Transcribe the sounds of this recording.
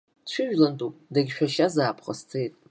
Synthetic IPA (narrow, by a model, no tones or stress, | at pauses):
t͡ɕʷʰʊʒᶣlantʼupʼdaɡʲʃᶣaʃazaːpʰχa̰st͡sʰejtʼ